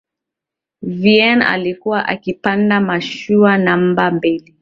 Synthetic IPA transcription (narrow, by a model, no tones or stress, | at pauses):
viɛna̰likuwaʔakipandamaʃuanam̩bambili